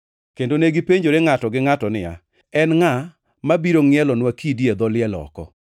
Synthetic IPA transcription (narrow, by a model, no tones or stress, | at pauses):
kendoneɡipeɲd͡ʒoɾeŋatɔɡɪŋatɔnɪja̰ | ɛnŋa | mabiɾoŋɪɛlɔnwakidjed̪ɔlɪɛlɔ̰kɔ̰